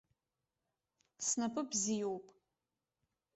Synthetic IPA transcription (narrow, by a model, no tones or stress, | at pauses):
snɐpʰʼɨbzijowpʼ